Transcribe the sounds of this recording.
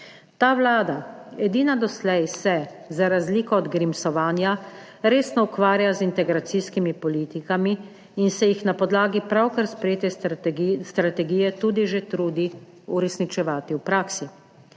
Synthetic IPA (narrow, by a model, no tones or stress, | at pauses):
t̪aːʋlaːd̪aɛd̪iːnad̪ɔslɛjsɛ | zaɾazliːkɔːd̪ɡɾimsɔʋaːnja | ɾeːsnɔukʋaːɾjazint̪ɛɡɾat̪siskimipɔliːt̪ikamiː | nsɛjixnapɔd̪laːɡipɾawkaɾspɾɛjeːt̪ɛ | st̪ɾat̪ɛɡijɛt̪uːd̪iʒet̪ɾuːd̪i | uɾɛsnit͡ʃɛʋaːt̪iwpɾaːksi